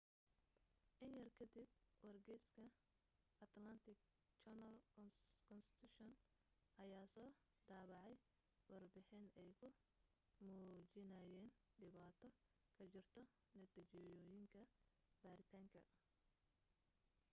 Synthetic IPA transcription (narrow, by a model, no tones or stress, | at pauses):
ʔɪnjɐrkʰɐd̪ib̚wɐrɡɛjskʰɐ | ɐt̪lɐnt̪ʰɪɡ̚ | t͡ʃɛnɐlkʰɔnkʰɔnst̪ʰuʃɔn | ʔɐjaːsɔː | d̪aːβɑʕɛj | wɑrbɪħɪnɛjkʰʊ | muːt͡ʃɪnaːjɛːnɖɪβaːt̪ʰɔ | kʰɐt͡ʃɪrt̪ʰɔ | nɐt̪iːt͡ʃɔjɔːjɪŋkʰɐb̥aːɾɪt̪ʰaːŋkʰɐ